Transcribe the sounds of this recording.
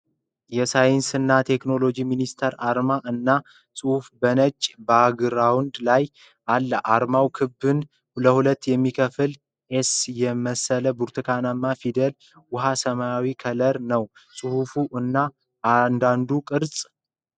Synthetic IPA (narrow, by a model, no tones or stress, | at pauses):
jɛsajnsɨnːat̪ʰe̞kno̞lo̞d͡ʒiminist̪ʰeɾaɾmaʔɨnːa | sʼɨhufbənət͡ʃʼːbəaɡɨɾawʊnd̪laj | ʔalːəʔaɾmawkʰɨbːɨn | ləhulət̪ːjɛmːikʰəfɨl | ʔesjɛməsələbuɾt̪ʰɨkʰanamːafid̪ɛl | wʊɦasəmajawikʰələɾnəw | sʼɨhufuʔɨnːa | and̪and̪ukʼɨɾsʼ